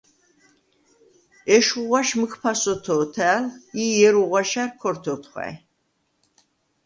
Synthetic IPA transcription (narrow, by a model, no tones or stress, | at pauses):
ɛʃuʁʷaʃməkʰpʰasɔt̪ʰɔːt̪ʰæːlijɛɾuʁwaʃarkʰɔɾt̪ʰɔt̪ʰχʷwa̰j